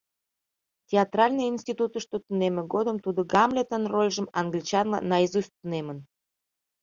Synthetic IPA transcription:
tʲeɑt̪rɑlʲnɨjinsʲt̪ʲit̪ut̪əʃt̪ot̪unemə̆ɡod̪əmt̪ud̪əɡɑmlʲet̪ənrolʲʒəmɑŋɡlʲit͡ɕɑnlɑ̰nɑjizusʲt̪unemən

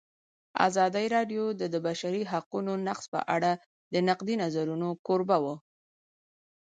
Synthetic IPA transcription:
a̰zɑd̪aiɾɑɖjod̪əd̪əbaʃaɾiɦaqunonaqspə̰ʔa̰ɽa | d̪ənaqd̪inazaɾunokoɾbawə

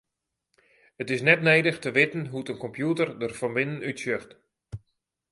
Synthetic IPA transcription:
ətɪsnɛtnejdəxtəʋɪtən̩ɦutənkɔmpjutərdərfɔnʋɪnənytsʏxt

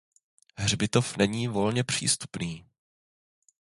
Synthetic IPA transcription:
ɦr̝bɪt̪ofnɛɲiːvo̞lɲɛpr̝̥ḭːst̪u̥pniː

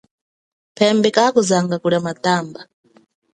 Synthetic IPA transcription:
pʰɛmbɛkakuzaŋɡakuɺamataːmba

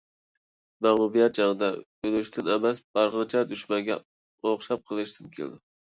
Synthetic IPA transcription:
mɛʁlˠubijɛt̪̚d͡ʒɑŋəd̪ɑ | ylʃt̪ʰɪnɛmɛsb̥ɑɾʁənt͡ʃʰɛd̪yʃmɛŋɡʲɛ̰ | oχʃɑp̚qʰəlˠɨʃt̪ʰɨnkʲʰḛl̰d̪ɪ

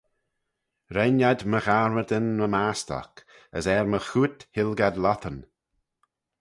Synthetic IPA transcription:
ɾɛnjad̪məɣaɹməd̪ənməmastɔ̰k | ə̰sɛɹməxuːt̪hɪlɡad̪lɔt̪ʰən

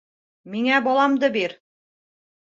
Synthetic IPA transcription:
miŋæbɒlˠɑmd̪ɤbiɾ

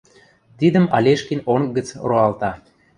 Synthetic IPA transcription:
t̪id̪əmɑlʲeʃkinoŋɡə̆t͡sroɑlt̪ɑ

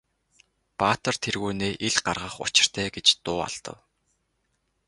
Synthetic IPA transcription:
paːt̪ə̆rt̪ʰerɣuːneːʔiɮɢarʁə̆χʊ̰t͡ɕɪ̥̆r̥t̪ʰæːɡet͡ɕt̪ʊːa̰ɮt̪ə̰̆w

